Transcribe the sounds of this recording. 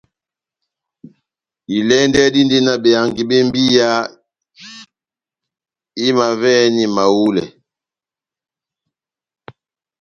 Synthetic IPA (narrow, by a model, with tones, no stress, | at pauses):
i˨lɛ˦ndɛ˦di˦ndi˦na˨be˨a˨ŋɡi˨be˦m˦bi˦ja˦ | i˦ma˨vɛ˦ni˨ma˨wu˦lɛ̰˨